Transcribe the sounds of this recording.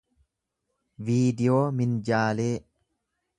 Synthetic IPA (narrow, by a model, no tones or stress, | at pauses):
viːd̪ɪjo̞ːmɪnd͡ʒaːle̞ː